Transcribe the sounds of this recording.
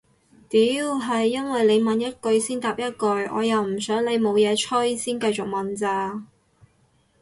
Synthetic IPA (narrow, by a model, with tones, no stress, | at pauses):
t̪iː˨˥wɦɐ˨jːɐ˥nwɐ˨jle˨˧jmɐ˨njɐ˥t̚kɵ˧ɥsiː˥nt̪aː˨p̚jɐ˥t̚kɵ˧ɥʔɔ̰ː˨˧jɐ˨wm̩˨˩sœː˨˥ŋle˨˧jmo˨˧wjɛː˨˧t͡ʃʰɵ˥jsiː˥nkɐ˧jt͡sʊ˨k̚mɐ˨nt͡saː˧